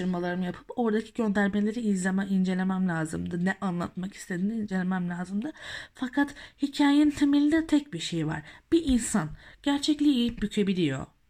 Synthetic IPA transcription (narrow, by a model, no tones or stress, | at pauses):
ɯɾmalˠaɾɯmɯjapʰɯ̥po̞ɾd̪acʰi̥ɟø̞nd̪æɾme̞lʲe̞ɾiizlʲemɛind͡ʒe̞lʲe̞mæmlʲaːzɯ̰md̪ɯnɛʔanlˠa̰t̪maki̥st̪ʰe̞d̪inind͡ʒe̞lʲemæmlʲaːzɯmd̪ɯfakʰat̪hicʰaːjent̪ʰemilʲid̪ɛt̪ʰɛc̚biʃe̞jva̰ɾ̥b̥iʔinsanɟ̥æɾt͡ʃʰɛclʲiːjip̚bycʰe̞bilʲijo̞̰